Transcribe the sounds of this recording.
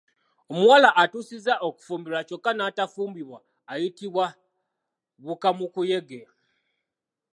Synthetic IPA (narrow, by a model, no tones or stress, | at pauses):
omuwalaʔːtuːsizaʔoku̥fuːmbiɾat͡ʃo̞kːanaːtafuːmbiβwaː | jitiβwa | βukamukuje̞ɡe̞